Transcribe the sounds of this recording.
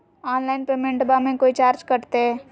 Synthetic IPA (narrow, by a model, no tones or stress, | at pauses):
aːnlaːɪnpeːmẽɳʈbamẽkoːit͡ʃaːɾd͡ʒkɐɾt̪eɦɛː